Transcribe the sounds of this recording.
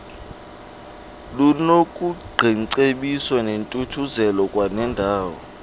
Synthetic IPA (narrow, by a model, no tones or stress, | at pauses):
lunokʼuɡ͡ǃʱiǀeɓiswanentʼutʰuzɛlɔkʼwanɛndʱaːwɔ̰